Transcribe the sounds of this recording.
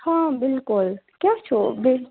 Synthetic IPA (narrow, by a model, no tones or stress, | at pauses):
hãbɪlkʊlkjaːt͡ʃʰoːbɪl